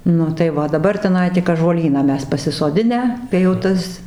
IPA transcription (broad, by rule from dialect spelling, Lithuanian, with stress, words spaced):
ˈnʊ tɐɪ ˈʋɐ oː dɐˈbɐr tʲɛˈnɐɪ tʲɪk ɑːʒuɔˈlʲiːnɑː ˈmʲɛs pɐsʲɪsoːˈdʲɪnʲæː kɐɪ jɛʊ ˈtɐs